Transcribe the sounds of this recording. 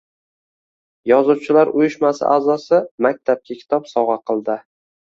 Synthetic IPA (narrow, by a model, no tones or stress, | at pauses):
jɒzuwt͡ʃʰɪlaɾʊjɪʃmasɪ̰ʔazɒsɪmak̚ʲt̪ʰap̚kʲʰakʲʰɪ̥t̪ʰɒpsɒʁɑqʰɨlˠd̪ɪ